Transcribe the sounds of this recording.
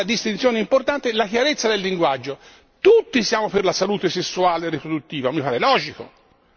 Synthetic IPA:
ad̪ist̪int̪sjoːneimport̪ant̪elakjaɾet̪sːad̪elːiŋɡwad͡ʒːo | t̪ut̪ːisjaːmoperlasaluːt̪esesːuaːlerːipɾod̪ut̪ːiːvamipaɾɛlɔːd͡ʒiko̰

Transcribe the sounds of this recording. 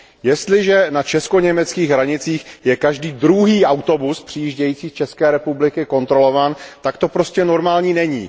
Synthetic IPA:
jɛst̪lɪʒɛnat͡ʃɛsko̞ɲɛmɛt͡skiːɣɦɾaɲɪt͡siːxjɛkaʒdiːd̪ɾuɦiːʔawt̪o̞buspr̝̥ijiʒɟɛjiːt͡siːt͡ʃɛskɛːɾɛpublɪkɪko̞nt̪ɾo̞lo̞vaːnt̪akt̪o̞pɾo̞scɛno̞ɾmaːlɲiːnɛɲḭː

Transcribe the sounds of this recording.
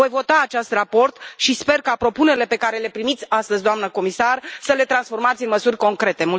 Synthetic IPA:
o̞jvo̞t̪aːt͡ʃast̪rapo̞rt̪ʃispe̞rkapɾo̞puneɾile̞pe̞kaɾe̞le̞pɾimit̪sʲast̪əzʲd̪oamnəko̞misarsəle̞t̪ɾansfo̞rmat̪sʲɨnməsurʲko̞ŋkɾe̞t̪e̞mul

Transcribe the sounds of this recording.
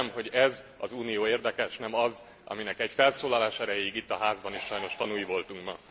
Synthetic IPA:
mɦo̞ɟɛz | ɒzuːnijoːeːrd̪ɛkɛʃnɛmɒz | ʔɒ̰minɛkɛɟfɛlsoːlɒlaːʃɛɾɛjeiɡit̪ːɒɦaːzbɒniʃʃɒjno̞ʃt̪ɒnujivo̞lt̪uŋkmɒ

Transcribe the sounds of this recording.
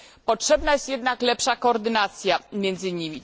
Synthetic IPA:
pɔtʂɛbnajɛst̪jɛd̪naklɛpʂakɔːɾd̪ɘnat̪sʲjamʲjɛnd̪zɘɲimʲi

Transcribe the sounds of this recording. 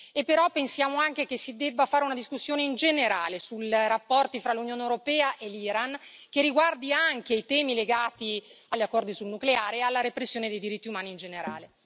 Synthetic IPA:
epːeɾɔpːensjaːmoaŋk̟ek̟esid̪ɛbːafaːɾeunad̪iskusːjoːneind͡ʒeneɾaːlesulrapːɔrt̪ifɾalːunjoːnewɾopɛːaʔelːiɾank̟eriɡward̪iaŋk̟eit̪ɛːmileɡaːt̪i | aʎːakːɔrd̪isulnukleaːɾealːaɾepɾesːjoːned̪ejd̪iɾit̪ːiumaːniːnd͡ʒeneɾa̰ːle

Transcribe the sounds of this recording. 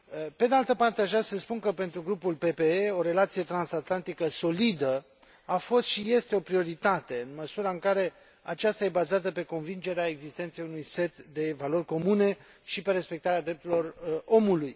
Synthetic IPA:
pe̞d̪ealt̪əpart̪eaʒvɾeasəspunkəpe̞nt̪ɾuɡɾupulpe̞pe̞eo̞ɾe̞lat̪sije̞t̪ɾansat̪lant̪ikəso̞lid̪ə | afo̞st̪ʃije̞st̪e̞o̞pɾio̞ɾit̪at̪e̞ɨnməsuɾaɨŋkaɾe̞ | a̰t͡ʃast̪aje̞bazat̪əpe̞ko̞nvind͡ʒe̞ɾeae̞ɡzist̪ent̪se̞junujse̞t̪d̪e̞valo̞rʲko̞mune̞ | ʃipe̞ɾe̞spe̞k̚t̪aɾead̪ɾe̞p̚t̪uɾilo̞ro̞muluj

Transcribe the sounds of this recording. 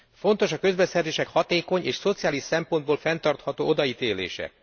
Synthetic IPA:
fo̞n̪t̪o̞ʃɒkø̞zbɛsɛrzeːʃɛkhɒt̪eːko̞ɲeːʃso̞t̪sijaːliʃsɛmpo̞nd̪̚boːlfɛnt̪ɒrt̪hɒt̪oːʔod̪ɒit̪eːlḛːʃɛ̰

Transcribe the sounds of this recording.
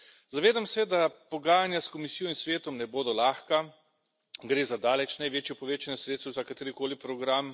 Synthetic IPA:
zaʋeːd̪amsɛd̪apɔɡaːjanjaskomisiːjɔinsʋeːt̪ɔmnɛboːd̪ɔlaːxka | ɡɾeːzad̪aːlɛt͡ʃnajʋeːt͡ʃjɔpɔʋeːt͡ʃanɛsɾeːt̪sɛwzakat̪eːɾikoːlipɾɔɡɾam

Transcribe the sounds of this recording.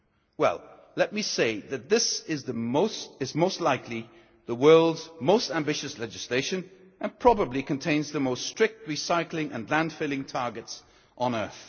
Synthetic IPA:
wɛ̰lˠ | lɛt̚miseɪðɨt̪̚ðɪsɪzðɨmoʊsɨzmoʊstˡlaɪkʰli | ðəwɜ˞lˠdzmoʊstæ̃mbɪʃɨslɛd͡ʒɨsleɪʃɨ̃n | ʔɨ̃npʰɹ̥ɑbəblikɨ̃ntʰẽɪ̃nzðɨmoʊststɹ̥ɪk̚t̚ɹisaɪklɪ̃ŋʔɨ̰̃nlæ̃nd̥fɪlˠɪ̃ŋtʰɑɹɡɨts | ʔə̃n̩ɜ˞θ

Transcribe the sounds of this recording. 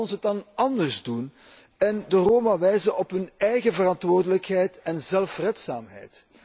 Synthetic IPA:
ɔnsət̚dɑnɑndərzdun | ɛndəroːmaʋɛjzənɔpɦɵnɛjɣəvərɑntʋoːrdələkɦɛjtɛnzɛlfrɛtsa̰ːmɦɛ̰jt

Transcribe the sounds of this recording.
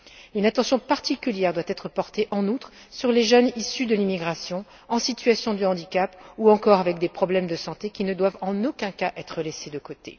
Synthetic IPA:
ynat̪ɑ̃sjɔ̃paʁt̪ikʲyljɛʁd̪wat̪ɛt̪χəpɔʁt̪eʔɑ̃nut̪χsyʁleʒœnisyd̪əlimiɡʁasjɔ̃ | ɑ̃sit̪yasjɔ̃d̪yɑ̃d̪ikapuɑ̃kɔʁavɛk̚d̪epχɔblɛmd̪əsɑ̃t̪ekʲinəd̪wavɑ̃nokʲɛ̃kaʔɛt̪χəlesed̪əkot̪ḛ

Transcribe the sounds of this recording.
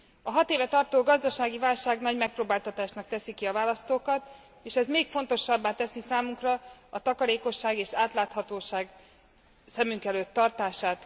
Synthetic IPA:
ɒɦɒt̪eːvɛt̪ɒrt̪oːɡɒzd̪ɒʃaːɡivaːlʃaːɡnɒɟmɛk̚proːbaːlt̪ɒt̪aːʃnɒk̚t̪ɛsikiɒvaːlɒst̪oːkɒt̪ | eːʃɛzmeːkfo̞nt̪o̞ʃːɒbːaːt̪ɛsisaːmuŋkrɒɒt̪ɒkɒɾeːko̞ʃːaːɡeːʃaːt̪laːt̪hɒt̪oːʃaːɡ | sɛmyŋkɛløːt̪ːɒrt̪aːʃaːt̪

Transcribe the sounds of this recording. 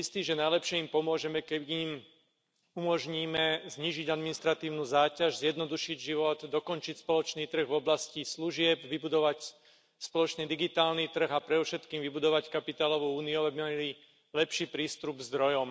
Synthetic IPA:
ist̪iːʒɛnajlɛpʃɪɛimpɔmʊɔʒɛmɛkɛim | umɔʒɲiːmɛzɲiːʒiɟad̪minist̪ɾat̪iːʊnuːzaːcaʒzjɛd̪nɔd̪uʃiɟʒiʋɔd̪d̪ɔkɔnt͡ʃicspɔlɔt͡ʃniːt̪r̩ɣvɔblascisluʒɪɛbʋibud̪ɔʋac | spɔlɔt͡ʃnid̪iɡit̪aːlnit̪r̩ɣapɾɛd̪ɔfʃɛt̪kiːmʋibud̪ɔʋackapit̪aːlɔʋuuːniuaabimalili | lɛpʃiːpɾiːst̪ubzd̪ɾɔjɔm

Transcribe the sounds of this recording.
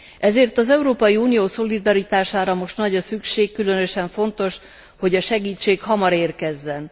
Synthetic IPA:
ʔɛzeːrt̪ɒzɛuɾoːpɒjiuːnijoːso̞lid̪ɒɾit̪aːʃaːɾɒmo̞ʃt̪nɒɟɒsykʃeːkːylø̞nøʃɛɱfo̞nt̪o̞ʃ | ho̞ɟɒʃɛɡiːt͡ʃːeːkhɒmɒɾeːrkɛzːɛn

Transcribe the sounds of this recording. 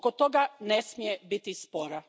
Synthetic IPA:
kot̪oɡanesmijebit̪ispoɾa

